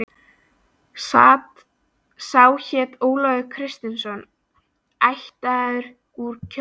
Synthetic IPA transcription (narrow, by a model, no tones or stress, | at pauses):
saːt̪ | sawçɛːt̪oːwlɔðʏkʰɾɪst̪ɪnsɔn | ajht̪aaðʏɾ̥ | kuɾcʰ